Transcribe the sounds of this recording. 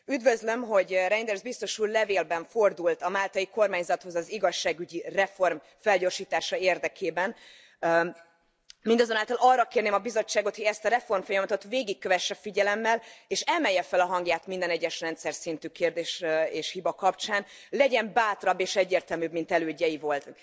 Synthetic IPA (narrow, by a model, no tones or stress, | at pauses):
yd̪vø̞zlø̞mɦo̞ɟrɛjnd̪ɛrzbist̪o̞ʃuːllɛveːlbɛɱfo̞rd̪ult̪ɒmaːlt̪ɒjiko̞rmaːɲzɒt̪ho̞zɒziɡɒʃːaːɡyɟirɛfo̞rm | fɛlɟo̞ːrʃiːt̪aːʃɒeːrd̪ɛkʰeːbɛn | mind̪ɒzonaːlt̪ɒlɒrːɒkeːrneːmɒbizo̞t͡ʃːaːɡo̞t̪hoɟɛst̪ɒɾɛfo̞rmfojɒmɒt̪ot̪veːɡikːøvɛʃːɛfiɟɛlɛmːɛleːʃɛmɛjːɛfɛlɒɦɒŋɡjaːt̪mind̪ɛnɛɟːɛʃrɛnt̪sɛrsint̪yːkeːrd̪eːʃeːʃhibɒkɒpt͡ʃaːnlɛɟɛmbaːt̪oɾɒbːeːʃɛɟːeːrt̪ɛlmybmint̪ɛløːɟːɛjivo̞lt̪